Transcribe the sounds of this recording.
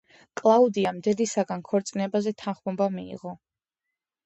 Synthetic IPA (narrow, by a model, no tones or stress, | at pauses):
kʼlˠaud̪iamd̪ɛd̪isaɡankʰɔɾt̪sʼinɛbazɛt̪ʰanχbɔmbamiḭʁɔ